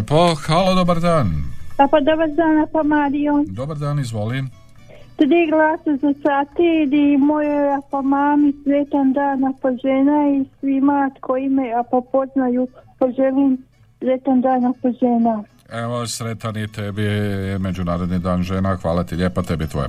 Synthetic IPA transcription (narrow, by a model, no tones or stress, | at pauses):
poxaːlad̪obaɾd̪aːnapad̪obaɾd̪aːnapomaːd̪ijod̪obaɾd̪aːnizʋolim | t̪ɾiːɡlˠaːsozasat̪id̪imojojapamaːmisɾet̪and̪aːnapoʒenaisʋimat̪kʰoimeapapo̞znajuːpaʒeliːm | zet̪and̪aːnapoʒeːna | eʋosɾet̪anit̪ebime̞d͡ʑunaːɾod̪nid̪aːnʒeːnaxʋa̰ːlat̪iʎeːpat̪ebit̪ʋo̰jḛ